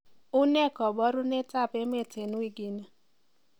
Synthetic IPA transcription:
ʊ˦ne˦˨kɔ˨bɔ˦ɾʊ˦ne˦ta˦˨pe˦me˦˨te˨nu˦i˦ɡi˨ne˦

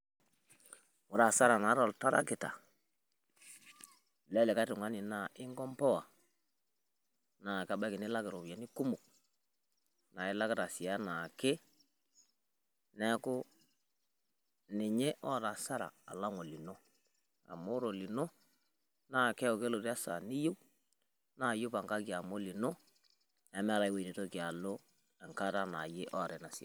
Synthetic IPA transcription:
wʊ˨ɾa˨sa˦ɾa˨na˨˦ɾo˨lta˦ɾa̰˦kɪ˨ta̰˨ | lɛ˦le˨ka˦tu˨ŋa˦ni˨na˦˨ʔɪ˦ŋɡɔ˦mpɔ˦wa˨ | na˨ka˦ba˦ki˨ni˦la˦kɪ˨ɾo˨ba˨ni˦ku˦mu˨k̚ | na˨i˦la˦kɪ˦ɾa˨si˨a˦na˨ke˦ | nɛ˦kʊ˦ | nɪ˨ɲe˦ʔɔ˦˨ta˨sa˦ɾa̰ː˨la˦ŋo˨li˨no˦ | a̰˨mo˦ɾo˨li˨no˦ | na˦˨kɛ˦o˨ke˦lo˨ɾa˦sa̰˨ni˦ju˦ | na˨jo˦pa˨ŋka˦ki˨a˨mo˦li˨no˦ | ɛ˦mɛ˦ɾa˨˦i˦we˨ne˨to˦ki˨a˨lo˦ | ɛ˨ŋka˦ta˦na˨je˦ʔɔ˦˨ɾɛ˨na˨si˨a̰˦

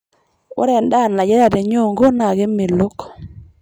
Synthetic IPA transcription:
o̰˦ɾɛ˨nda˦˨n˨la˨d͡ʒɛ˦ɾa˦˨de˨ɲo˦˨ŋɡo˦na˨ɡe˦me˨lo˦k

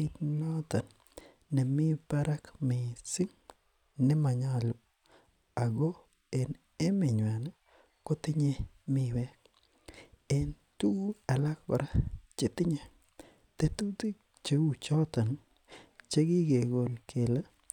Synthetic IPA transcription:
i˦tnɔ˦ta˨nː | e˨mɪ˦pa˦ɾa˦kmɪ˨sɪ˦ŋ | nɪ˦ma˨ɲa˦˨lu˨ | a˨ɡɔ˦ | e˨n | e˦mɪ˨ɲwa˨na˦ | ko˦tɪ˦ɲe˦ | mɪ˦wɛ˦k̚ | e˨n | tu˦ɛ˨la˦k̚pa̰˨ɾa˦t͡ʃe˨tɪ˦ɲe˨ | te˨tu˦ti˦k̚ | t͡ʃe˨u˦t͡ʃɔ˦ta˨n | t͡ʃe˦ɡi˦ɡe˨ɡo˨lkʰe˨la˦

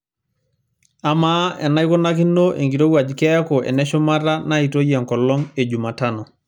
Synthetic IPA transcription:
a˨maɛ˨na˦jko˦na˦ki˦nːo˦ʔḛ˨ŋɡi˨ɾo˦wa˨d͡ʒkɛ˦ko˨ʔɛ̰˨nɛ˦ʃɔ˦ma˦ra˦na˦i˨to˦jɛ˨ŋkɔ˨lːɔ˦ŋe˨d͡ʒu˨ma˨ta˦nɔ˨

